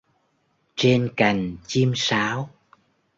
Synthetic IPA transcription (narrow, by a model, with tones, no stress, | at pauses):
t͡ɕe˧nka˨˩jŋ̟t͡ɕi˧msaː˨˦w